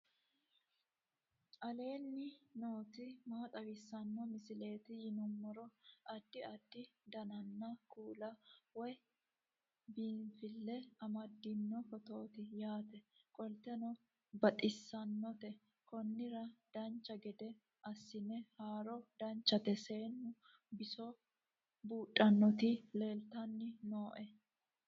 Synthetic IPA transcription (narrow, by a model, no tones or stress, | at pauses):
ʔɐle̞ːnːɪno̞ːt̪ɪmaːt̪ʼɐwɪsːɐnːɔmɪsɪle̞ːt̪ɪjɪnʊmːɔɾɔɐd̪ːɪɐd̪ːɪd̪ɐnɐnːɐkuːlɐwɔj | biːɱfɪlːɛɐmɐd̪ːɪnːɔfɔt̪o̞ːt̪ɪjaːt̪ɛkʼɔlt̪ɛnɔ | bɐt̪ʼɪsːɐnːɔt̪ɛ | kɔnːɪɾɐd̪̥ɐnt͡ʃːɐɡɛd̪ɛ | ʔɐsːɪnɛhaːɾɔd̪ɐnt͡ʃːɐt̪ɛse̞ːnːʊ | bɪsɔ | buːᶑʼɐnːɔt̪ɪle̞ːlt̪ɐnːɪnoːʔɛ